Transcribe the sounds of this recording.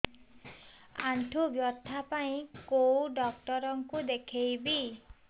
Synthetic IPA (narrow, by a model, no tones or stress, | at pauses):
aɳʈʰubjɔt̪ʰːapaĩkowɖɔk̚ʈɔɾɔŋkud̪ekʰejbi